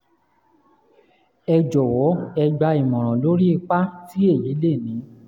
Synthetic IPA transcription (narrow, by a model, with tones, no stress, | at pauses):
ɛ˧d͡ʒɔ˨wɔ˨˦ɛ˧ɡ͡ba˧i˨mɔ̃˨ɾ̃ɔ̃˨lo˦ɾi˦i˧k͡pa˦ti˦e˦˨je˨˦le˦˨nĩ˨˦